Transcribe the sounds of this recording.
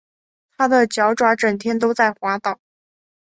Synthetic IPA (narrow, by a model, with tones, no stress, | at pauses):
t̪ʰa˥d̪ə˨t͡ɕjɑ˧˥ʊʈ͡ʂwa˧˥ʈ͡ʂə˨˩ŋt̪ʰjɛ˥nt̪o˥ʊt͡sa˥˩ɪxwa˧˥t̪ɑ˨˩˦ʊ